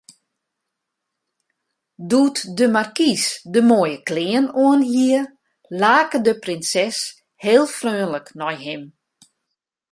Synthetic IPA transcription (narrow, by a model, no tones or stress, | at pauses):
dutdəmarkisdəmoəjəklɪənuənɦiə | laːkədəprɪnsɛs | heːəlˠfrøːnləknɔjɦɪm